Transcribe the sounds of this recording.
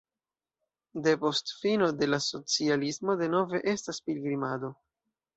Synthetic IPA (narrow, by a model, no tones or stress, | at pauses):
de̞po̞stfino̞de̞laso̞t͡sialismo̞de̞no̞ve̞ʔe̞staspilɡɾimado̞